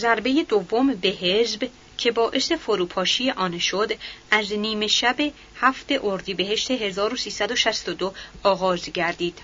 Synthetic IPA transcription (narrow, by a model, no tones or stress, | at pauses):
zæɾbeje̞d̪ovːo̞mbe̞ɦe̞zb | cʰe̞bɒːʔe̞se̞foɾuːpʰɒːʃijeʔɒːnʃod̪æzniːme̞ʃæbe̞ | hæft̪e̞ʔoɾd̪iːbe̞ɦe̞ʃt̪e̞ɦe̞zɒːɾosiːsæd̪o̞ʃæst̪od̪oɒːɣɒːzɟæɾd̪iːd̪̥